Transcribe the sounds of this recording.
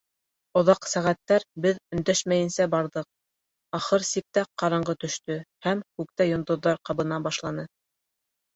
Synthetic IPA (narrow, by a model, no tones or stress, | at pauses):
ŏðɑqsæʁæt̪ːæɾbɘðɵ̆nd̪æʃmæjɘ̆nsæbɑɾðɤq̚ | ɑχɤɾsik̚t̪æqɑɾɑɴɢɤt̪ɵ̆ʃt̪ɵhæmkʉk̚t̪æjŏnd̪ŏðːɑɾqɑβɤ̆nɑbɑʃlˠɑnɤ